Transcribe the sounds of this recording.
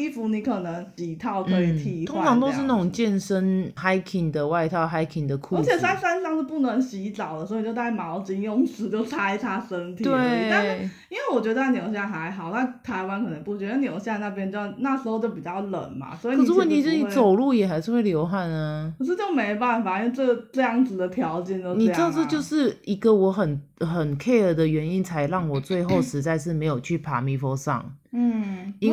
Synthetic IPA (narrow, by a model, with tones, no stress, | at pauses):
i˥fu˧˥ni˧˥kʰə˨˩nə˧˥ŋt͡ɕi˨˩t̪ʰɑ˥˩ʊkʰə˧i˨˩t̪ʰi˧t̪ʰʊ˥ŋ˥ʈ͡ʂʰɑ˧˦ŋt̪o˥ʊʂɻ̩˥˧na˥˩ʈ͡ʂʊ˨˩ŋt͡ɕjɛ˥˧nʂə˦nxa˥ɪkʰi˨˩ŋd̪ə˨wa˥˧ɪt̪ʰɑ˥˧ʊxa˥ɪkʰi˨˩ŋd̪ə˩kʰu˥ə˧˥t͡ɕʰjɛ˨˩sa˥nsa˥nsɑ˥ŋʂ̩˥˧pu˥˩nə˧˥nɕi˧˥t͡sɑ˨˩ʊə˩swn˨˩jo˥˧t̪ʰa˥˩ɪmɑ˧˥ʊt͡ɕi˥ŋjo˥˧ŋsʰɹ̩˧˥t͡ɕjo˥˧ʊt͡sʰa˥ɪt̪ʰa˥ʂə˦˥nt̪ʰi˧˨we˥˩˥t̪a˥˧nʂ̩˥˩i˥nwe˥˩ɪwɔ˨˩t͡ɕɥɛ˧˥d̪ə˧a˥˩njo˨˧˥ʊɕ̬ja˥˩xa˧˥ɪɦɑ˨˩ʊna˥˩t̪ʰa˧˥ɪwa˧˥nkʰɤ˨˩nə˧˥ŋpu˥˩t͡ɕɥɛ˧˥d̪ə˧njo˨˩ʊɕja˥˧na˥˩p̬jɛ˥nt͡ɕo˥˧˥na˥˩ʂɻ̩˧xo˥˧ʊt͡ɕjo˥˩ʊp̬i˨˩t͡ɕjɑ˥˩ʊlə̰˨˩nma̰˦swɔ˧˥i˨zu˧˥kwɔ˨ni˨˩˥ni˧t͡so˨˩ʊlu˥˩jɛ˨˩xa˧ɪʂɻ̩˥˧we˥˩ɪljo˧˥ʊxa˥˩nnə˩kə˨˩ʂ̬ɻ̩˥˧t͡ɕjo˥˩ʊme˧˥ɪ˧˨˧pa˥˩nfa˨˩i˥nwʈ͡ʂɤ˥˩ɡʈ͡ʂɤ˥˧jɑ˥˩ŋd͡zɹ̩˨˩d̪ə˩t̪ʰjɑ˧˥ʊt͡ɕjɛ˨˩nt̪o˥ʊni˨˧˥d̪ʊʈ͡ʂɤ˥˧t͡ɕjo˥˧ʊʂɻ̩˥˩i˧˥ɡə˧˨wɔ˧˥xə˨˩nxə˨˩nkʰe˥˧ɪə˨˩d̪ə˩ɥɛ˧˦˥ni˥nt͡sʰa˧˥ɪɻɑ˥˩ŋwɔ˨˩t͡swe˥˧ɪxo˥˩ʊʂɻ̩˧˥t͡sa˥˧ɪʂ̬ɻ̩˥˩me˧˥ɪjo˨˩t͡ɕʰy˥˩pʰa̰˨˥mi˧˥fo˥ʂɑ̰˥˨˩ŋn̩˥˩˧